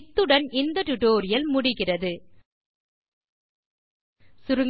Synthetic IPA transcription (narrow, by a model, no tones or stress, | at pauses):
t̪ːɯɽɐnɪnd̪ɐʈʊʈoːɾɪjɐlmʊɽɪɣɪrɐðɯ | sʊɾɯŋ